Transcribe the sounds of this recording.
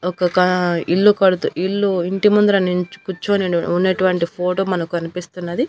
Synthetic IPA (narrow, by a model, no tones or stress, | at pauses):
ɔkɐkɐiɭːukɐɽut̪uʔiɭːuiɳʈimɐnd̪uɾɐniɲt͡ʃu̥kut͡ʃːuɐneunːeʈuʋɐɳʈipʰoːʈoːmɐnɐkukɐnipist̪unːɐd̪i